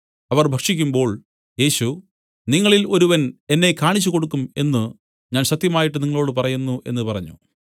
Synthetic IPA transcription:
ɐʋɐrbʱɐkʂikʲːumbo̞ːɭ | je̞ːɕu | niŋːɐɭilo̞ɾuʋɐne̞nːe̞kaːɳit͡ɕːuko̞ɽukːume̞nːɨ | ɲaːnɕɐt̪jɐmaːjiʈ̬ːɨniŋːɐɭo̞ːɽɨpɐrɐjunːuʔe̞̰nːɨpɐrɐɲːṵ

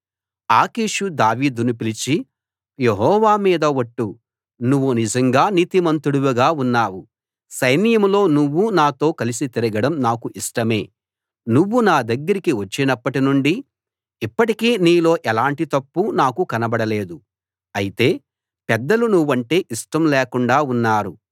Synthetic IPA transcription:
aːkiːʂud̪aːʋiːd̪unupilit͡ʃi | jeɦɔːʋaːmiːd̪ɐʋɐʈːu | nuʋːunid͡ʒɐŋɡaːniːt̪imɐnt̪uɽuʋuɡaːunːaːwu | sɐjnijɐmlo̞ːnuʋːunaːt̪o̞ːkɐlisit̪iɾɐɡɐɽɐmnaːkuʔiʂʈɐme̞ː | nuʋːunaːd̪ɐɡːɐɾikiʋɐt͡ʃːinɐpːɐʈinuɳɖi | ipːɐʈikiːniːlo̞ːʔɛlaːɳʈit̪ɐpːunaːkukɐnɐbɐɽɐle̞ːd̪u | ɐjit̪e̞ː | pɛd̪ːɐlunuʋːɐɳʈe̞ːʔiʂʈɐmlɛːkuɳɖaːunːaːɾu

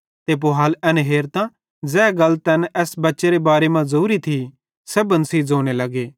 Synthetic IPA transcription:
t̪ep̬oɦaːlɛnɦeːɾt̪ã | d͡zɛːɡɐlt̪ɛnɛːsbɐtːʃeɾebaːɾemãzuːɾit̪ʰi | sɛbɐ̃nsiːzoːɽ̃elɐɡeː

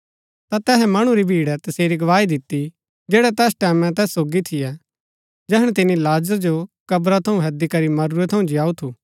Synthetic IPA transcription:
t̪at̪ɛːɦɛmɐɽ̃uɾibʱiːɽɛt̪ɐseːɾiɡɐʋaːid̪ɪt̪ːi | d͡ʒeːɽɛt̪ɛːsʈɛːmɛ̃t̪̬ɛːsːoːɡit̪ʰɪjɛ | d͡ʒɛɦəɽ̃t̪ɪnilaːd͡ʒəɾd͡ʒokɐbɾat̪ʰɐũɦɐd̪ikɐɾimɐɾuɛt̪ʰɐ̃ũd͡ʒijaːut̪ʰuː

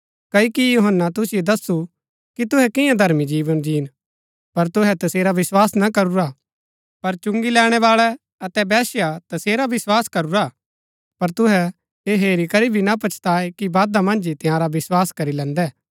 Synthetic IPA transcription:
kɐikijoɦənːat̪ʊsɪed̪ɐsu | kit̪ʊɦɛkɪ̃jãd̪ʱɐɾmid͡ʒiːʋənd͡ʒiːn | pɐɾt̪ʊɦɛt̪ɐseːɾaʋɪswaːsnakɐɾuɾa | pɐɾt͡ʃʊ̃ŋɡilɛːɽ̃ɛʋaːɭɛ | ɐt̪ɛbɛːʃjat̪ɐseːɾaʋɪswaːskɐɾuɾa | pɐɾt̪ʊɦɛ | eɦeːɾikɐɾibʱinap̬ɐt͡ʃʰt̪aːekibaːd̪amɐ̃nd͡ʒit̪ɪjãːɾaʋɪswaːskɐɾilɛ̃ːnd̪ɛː

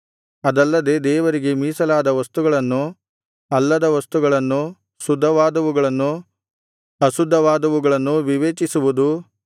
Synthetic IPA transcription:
ɐd̪ɐlːɐd̪e̞d̪ɛːʋɐɾiɡe̞miːsɐlaːd̪ɐʋɐst̪uɡɐɭɐnːu | ɐlːɐd̪ɐʋɐst̪uɡɐɭɐnːu | sud̪ʱːɐʋaːd̪ɐʋuɡɐɭɐnːu | ɐsud̪ʱːɐʋaːd̪ɐʋuɡɐɭɐnːuʋiʋeːt͡ʃisuʋud̪u

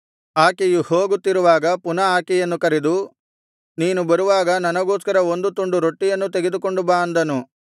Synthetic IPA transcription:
aːkijuhoːɡut̪ːiɾuʋaːɡɐpunɐaːkijɐnːukɐɾed̪u | niːnubɐɾuʋaːɡɐnɐnɐɡoːskɐɾɐo̞nd̪ut̪uɳɖuɾo̞ʈːijɐnːut̪eɡed̪uko̞ɳɖubaːnd̪ɐnu

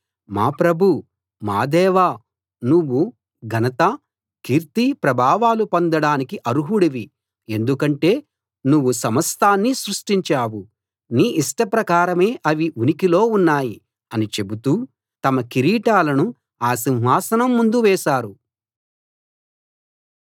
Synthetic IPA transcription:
maːpɾɐbʱu | ma̰ːd̪ɛːʋaː | nuʋːu | ɡʱɐnɐt̪ɐ | kiːɾt̪ipɾɐbʱaːʋaːlupond̪ɐɽaːnikiʔɐɾuɦuɽiʋi | e̞nd̪ukɐɳʈe̞ː | nuʋːusɐmɐst̪ʰaːnːisɾuʂʈiɲt͡ʃaːwu | niːʔiʂʈɐpɾɐkaːɾɐme̞ːʔɐʋiunikilo̞ːunːaːji | ɐnit͡ʃe̞but̪uː | t̪ɐmɐkiɾiːʈaːlɐnu | aːsinɦaːsɐnɐmːund̪uʋɛːʃaːɾu

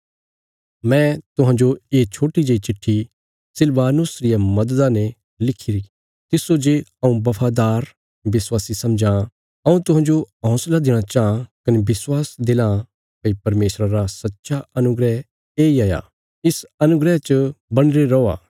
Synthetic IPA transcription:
mɛ̃ːt̪ʊɦãːd͡ʒoeːt͡ʃʰoːʈid͡ʒeit͡ʃɪʈʰːi | sɪlʋaːnʊsɾɪjamɐd̪əd̪anẽ | lɪkʰiɾi | t̪ɪsːod͡ʒeɐũbɐpʰaːd̪aːɾ | bɪswaːsisɐmd͡ʒã | ɐũt̪ʊɦãːd͡ʒoɦɔ̃ːslad̪eːɽ̃at͡ʃaːãkɐnebɪswaːsd̪ɪlã | pɐipɐɾmeːsɾaɾasɐtːʃʰaɐnʊɡɾɛɦ | eːiaːja̰ː | ɪsɐnʊɡɾɛt͡ʃəbɐɽ̃ɾeɾɔːa̰ː

